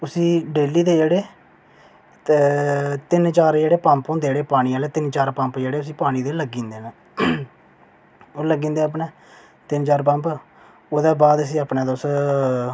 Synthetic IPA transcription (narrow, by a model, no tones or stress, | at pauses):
ʊsĩːɖeːliːd̪eːd͡ʒeːɽeː | t̪ɪnt͡ʃaːɾd͡ʒeːɽeːpãmpõːnd̪eːɽeːpaːɽ̃ĩːaːleːt̪ɪnt͡ʃaːɾpəmpd͡ʒeːɽeːʊsiːpaːɽ̃ĩːd̪eːləɡːĩːnd̪eːnaː | oːləɡːĩːnd̪eːap̬nẽː | t̪ɪnt͡ʃaːɾp̬ə̃mp | oːd̪aːbaːd̪əs̬ĩːaːpnãːd̪os